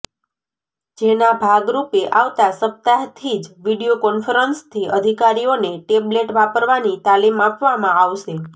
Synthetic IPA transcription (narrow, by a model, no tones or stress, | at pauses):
d͡ʒenabʱaɡɾupeʔaʋt̪asəp̚t̪aɦt̪ʰid͡ʒʋiɽijokɔnfəɾənst̪ʰiʔəd̪ʱikaɾioneʈebleʈʋapəɾʋanit̪alimapʋamãaʋʃe